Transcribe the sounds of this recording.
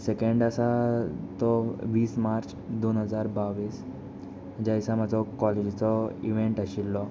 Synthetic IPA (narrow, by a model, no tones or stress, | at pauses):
sekeɳɖəsat̪ɔʋiːsmaɾt͡ɕ | d̪onɦəd͡zaɾbaʋiːs | d͡ʑajsamad͡zʱɔkɔled͡ʑt͡sɔiʋeɳʈəɕilːɔ